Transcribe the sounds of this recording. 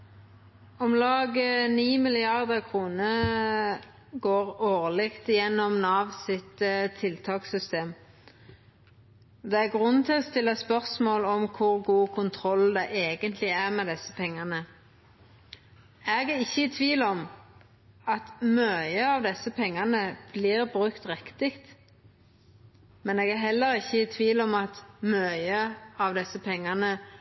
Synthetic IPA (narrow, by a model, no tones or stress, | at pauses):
ɔmlɑːɡəniːmɪlɪɑʁd̪əkʰʁuːnə | ɡoːʁoːʁlɪkt̪jɛnːɔmnɑːʋsɪt̪ət̪ʰːɪlt̪ʰɑːksʏst̪eːm | d̪ɛæʁɡʁʉnt̪ɪlɔst̪ɪlːɑspœʁsmoːlɔmkʰʊʁɡuːkʰʊnt̪ʰʁɔld̪ɛʔeːɡənt̪ʰlɪæʁmɛd̪ɛsːəpʰɛŋːɑnə | eːɡæɪçːəɪt̪ʰʋiːlɔm | ɑt̪møːjəɑʋd̪ɛsːəpʰɛŋːɑnəb̥liːʁbʁʉkt̪ʁɛkt̪ɪkt̪ | mɛneːɡæɦɛlːəɾɪçːəɪt̪ʰʋiːlɔmɑt̪mɑøəɑʋd̪ɛsːəpʰɛŋːɑnə